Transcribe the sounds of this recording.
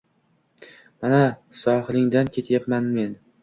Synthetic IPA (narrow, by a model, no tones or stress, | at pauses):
manasɒhɨlɪŋd̪ankʲʰe̞t̪ʰjapmanme̞n